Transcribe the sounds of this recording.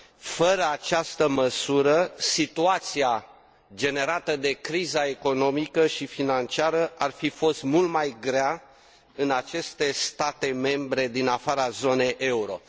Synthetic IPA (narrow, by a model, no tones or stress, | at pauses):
fəɾəat͡ʃast̪əməsuɾəsit̪uat̪sia | d͡ʒe̞ne̞ɾat̪əd̪e̞kɾizae̞ko̞no̞mikəʃifinant͡ʃiaɾəarfifo̞st̪mult̪majɡɾea | ɨnat͡ʃe̞st̪e̞st̪at̪e̞me̞mbɾe̞d̪inafaɾazo̞ne̞jʔe̞uɾo̞̰